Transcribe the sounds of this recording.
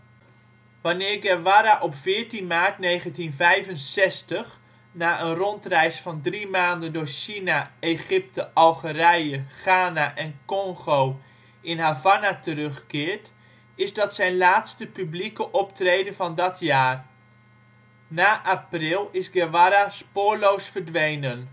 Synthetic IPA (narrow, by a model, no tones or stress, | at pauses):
ʋanɪːɹɡɛʋaɾaʔɔpfɪːəɹtinmaːrtnejχəntinvɛjvənsɛstəx | naːʔənrɔntrɛjsfɑndrimaːndəndʊːɹʃinaeχɪp̚təʔɑlˠχərɛjəχaːnaʔɛnkɔŋχow | ɪnhavanatərɵχkɪːɹt | ɪzdɑtsɛjnlaːtstəpyblikəʔɔptrejdəvɑndɔtʰjaːr | naːʔaprɪlˠɪsɡɛʋaɾaspʊːɹlowsfərdʋejnən